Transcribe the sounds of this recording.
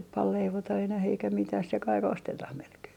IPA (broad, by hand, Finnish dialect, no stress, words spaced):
nyp pɑl leiʋotɑ enæh eikæ mitæh se kɑik ostetɑh melkeː